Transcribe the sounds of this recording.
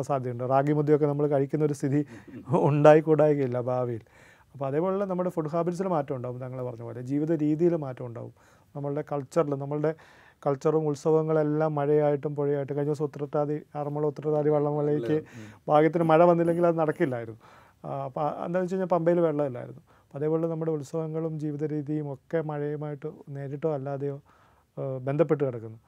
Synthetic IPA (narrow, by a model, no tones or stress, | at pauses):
saːd̪ʱjɐmuɳɖɨraːɡimud̪ʱːijo̞k̬ːe̞nɐmːɐɭkɐɻikʲːunːɐoɾust̪ʰiðiuɳɖaːjikːuːɽaːjuɣɐjilːɐbʱaːʋijil | ɐpːoːɐðeːpo̞ːɭɐlenɐmːɐɭɽefuɖuɦaːbɐɾɐs̬ilmaːtːɐmuɳɖaːʋumt̪ɐŋːɐɭepɐrɐɲːɐpoːjlɐd͡ʑiːʋiðɐɾiːðijilumːaːtːɐmuɳɖa̰ːʋṵm | nɐmːɐɭɨɽe̞kɐɭt͡ɕːɐrilumnɐmːɐɭɨɽe̞ | kɐɭt͡ɕːɐrumuɭsɐʋɐŋːɐɭe̞lːaːmːɐɻɐjaːjiʈ̬ːumpoɻijaːjiʈːumkɐɻiɲːɐsut̪ːrɐʈːaːðiɐrɐmːɐɭːɐut̪ːrɐtaːðiʋɐɭːɐmʋɐɭːejkʲːɨbʱaːɡjɐt̪̬ːinɨmɐɻɐʋɐnːilːe̞ŋɡilɐðɨnɐɽɐkːilːaːjiɾunːu | ɐpːoḛnd̪aːmt͡ɕejɲaːlpɐmbejilʋeɭːɐʋilːa̰ːjḭɾunːu | ɐðeːpo̞ːɭenɐmːuɽeuɭsɐʋɐŋːɐɭumd͡ʑiːʋiðɐɾiːðijumo̞kːe̞mɐɻɐjumaːjiʈːɨne̞ːɾiʈːoːɐlːaːðɐjo̞ː | be̞nd̪ʱɐp̬ːe̞ʈ̬ːɨkɐɽɐkːunːɐ